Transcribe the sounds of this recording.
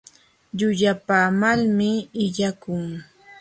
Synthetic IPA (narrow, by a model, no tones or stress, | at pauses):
ʎʊʎapaːmalmɪːʎakʊŋ